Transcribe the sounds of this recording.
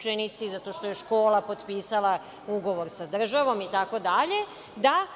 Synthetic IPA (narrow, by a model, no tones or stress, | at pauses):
t͡ʃenit̪sizat̪o̞ʃt̪o̞jeʃko̞ːlˠapo̞t̪piːsalˠa | uɡo̞ʋo̞ɾsad̪r̩ʒaʋo̞mit̪ako̞d̪aʎe̞ | d̪a